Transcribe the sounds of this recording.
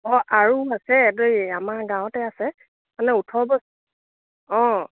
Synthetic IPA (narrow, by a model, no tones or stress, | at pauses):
ɔ̃ʔaɹuasɛdojamaɹɡãw̃tɛasɛ | manɛutʰɔbɔs | ɔ̃